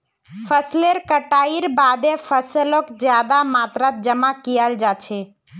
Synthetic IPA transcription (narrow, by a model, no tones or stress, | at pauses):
pʰəsleɾkəʈaiɾbad̪ẽpʰəsəlokd͡ʒjad̪amat̪ɾat̪̚d͡ʒəmakijəld͡ʒat͡ʃʰɛ